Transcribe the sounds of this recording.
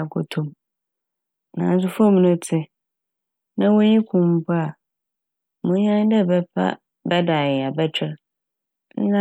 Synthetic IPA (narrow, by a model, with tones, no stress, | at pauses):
kʰɔ˨tʰʊ̃˨m | nã̰˨n˦s̬ʊ˦fɔ˦m̃˨nʊ̃˦tʰɪ˦ | nã˦wo˦ɲĩ˦kʰʊ̃˨m̩˦pʰʊ˦a˨ | mʊ̃˦ɲã˦dɛ˦˨bɛ˦pʰa̰˦ | bɛ˦da˨jɪ˨a˨bɛ˦t͡ɕᶣɪ˦ɾ | nɪ̰̃˦nã˦